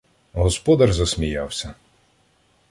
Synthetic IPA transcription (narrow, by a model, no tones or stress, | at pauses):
ɦɔspɔd̪ɐrzɐsmʲijɑwsʲɐ